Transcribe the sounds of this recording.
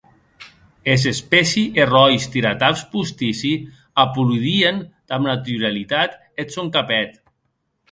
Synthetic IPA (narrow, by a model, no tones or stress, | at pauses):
ez̬espɛsiʔerɔjst̪iɾat̪aspust̪isi | apuluðiend̪̥amnat̪yɾalit̪at̪ | esoŋkapɛt̪